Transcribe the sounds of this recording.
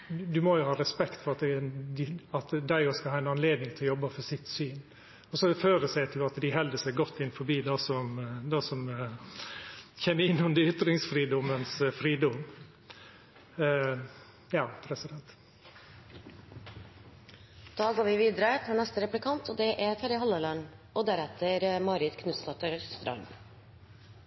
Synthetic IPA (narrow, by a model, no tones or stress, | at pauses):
d̪ʉmɔjʊhɑːɾɛspɛkt̪fɔɾɑt̪d̪ɪɑt̪d̪æɪoskɑlhɑːɛɪnɑnleːd̪nɪŋt̪ʰljɔbːəfɔsɪt̪ːsyːn | ɔsɔføːɾəsæɪt̪ʰɪlɑt̪d̪ɪɦɛld̪əsæɪɡɔt̪ʰːɪnːfɔɾbiːd̪ɑsɔmd̪ɑsɔm | çɛmːəɪnːɔmd̪ɪʏt̪ɾɪŋsfɾiːd̪ɔmənsfɾiːd̪ɔm | jɑːpʰɾɛsɪd̪ɛnt̪ | d̪̥ɑːɡoːɾʋɪʋiːd̪əɾət̪ʰɪlnɛst̪əɾɛplɪkʰɑnt̪ɔd̪ɛʔæt̪ʰɛɾəhɑlːəlɑnʔɔd̪æɾɛt̪ʰəɾmɑːɾɪt̪kʰnʉst̪ɑt̪əɾst̪ɾɑ̰n